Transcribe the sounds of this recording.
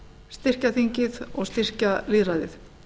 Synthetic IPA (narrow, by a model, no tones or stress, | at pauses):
st̪ɪr̥caθiɲcɪðɔɣst̪ɪr̥caliðɾaðɪθ